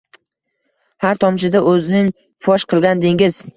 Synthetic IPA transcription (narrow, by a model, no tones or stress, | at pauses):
haɾt̪ʰɒmt͡ʃɪd̪aʔɵznɪŋ | fɒʃqʰɨlˠɡʲand̪ɪŋɪz